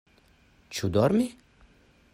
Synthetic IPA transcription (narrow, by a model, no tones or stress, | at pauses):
t͡ʃʰud̪ɔɾme